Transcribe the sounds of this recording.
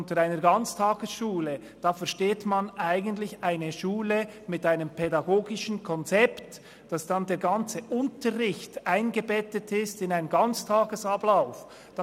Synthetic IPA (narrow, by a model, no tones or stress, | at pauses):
ntəɾaɪnəɾɡɑnt͡stʰɑːɡ̥əsʃuːlə | d̥ɑːfɛɐɾʃteːtmanʔaɪɡən̩tlɪçaɪnəʃuːləmɪtaɪnəmpʰɛdɑɡoːɡɪʃən̩kʰɔnt͡sɛpt | d̥ɑsd̥ɑndeːɐɡɑnt͡səʔʊntəʁɪçtaɪnɡəbɛtətʰɪstɪnaɪnɡɑnt͡stʰaːɡəsɑblaʊf | d̥ɑ